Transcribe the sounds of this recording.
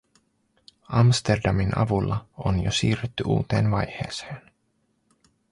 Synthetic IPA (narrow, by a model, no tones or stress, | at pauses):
ɑmst̪e̞rdɑminʔɑ̰ʋulːɑo̰njosiːret̪ːyʔṵːt̪e̞ːnʋɑjhe̞̰ːseːn